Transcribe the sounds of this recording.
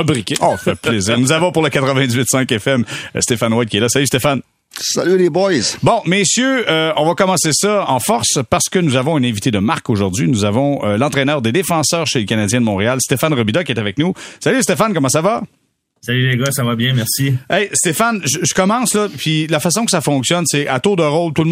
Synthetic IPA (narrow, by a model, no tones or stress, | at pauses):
abʁikʲeɔfɛpleziːʁnuzavɔ̃pʊʁləkat̪ʁəvɛ̃d̪izɥit̪sɛ̃kɛfɛm̰st̪efanwad̪kʲiɛlasalyst̪efan | sa̰lylebɔjzbɔ̃mesjøøɔ̃vakɔmɑ̃sesɔɑ̃fɔʁspaʁsə̥kənuzavɔ̃ynɛ̃vit̪ed̪əmaʁkoʒuʁd̪d͡zɥinuzavɔ̃əlɑ̃t̪ʁɛnœːʁd̪ed̪efɑ̃sœːʁʃeləkanad͡zjɛ̃d̪əmɔ̃ʁealst̪efanʁəbid̪ɔkʲiɛt̪avɛk̚nusalys̬t̪efankɔmɑ̃sava | salyleɡɔsavabjɛ̃mɛʁsiɛjst̪efanʒəʒəkɔmɑ̃ːslʌpilafas̬ɔ̃kə̥safɔ̃ksjɔnsɛʔat̪od̪əʁoʊlt̪ulm